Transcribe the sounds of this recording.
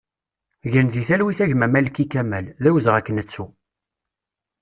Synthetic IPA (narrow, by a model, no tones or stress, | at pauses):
ʝənðiθælwiθæʝmæmælkːikæmælðæwəzʁækːənət͡sːu